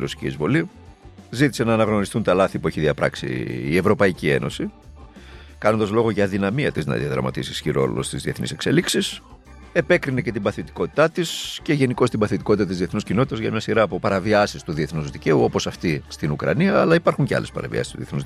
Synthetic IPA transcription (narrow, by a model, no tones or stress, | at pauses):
ɾosi̥cḭzvo̞li | zit̪i̥senɐːnɐɣno̞ɾist̪unt̪ɐlɐθipueçiðiɐpɾɐ̰ksḭːe̞vɾo̞pɐicie̞̰no̞̰si | kɐno̞nd̪ɐzlo̞ɣo̞ʝɐːðinɐmiɐt̪iznɐ̰ðḭɐðɾɐ̰mɐ̰t̪ḭsisçiɾo̞̰lost̪izðie̞θnḭse̞kse̞̰liksis | e̞pe̞kɾinece̞t̪imbɐθet̪i̥ko̞t̪i̥t̪ɐt̪isceʝe̞niko̞st̪imbɐθet̪i̥kot̪it̪ɐt̪izðieθnuscinot̪it̪ɐzʝɐmɲɐsiɾɐːpo̞pɐɾɐviɐsist̪uðieθnuzðice̞uo̞po̞sɐft̪ist̪inukɾɐ̰niɐːlɐipɐɾxuɲceɐ̰le̞spɐ̰ɾɐ̰vḭɐ̰si̥st̪uðie̞θnuz